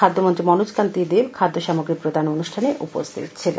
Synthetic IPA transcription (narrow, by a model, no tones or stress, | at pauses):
ad̪ʱːomont̪ɾimɔnud͡ʑkant̪id̪ibkʰad̪ʱːoʃamoɡɾipɾod̪ʱanonuʃʈʰaneʔupo̰st̪ʰḭt̪t͡ɕʰen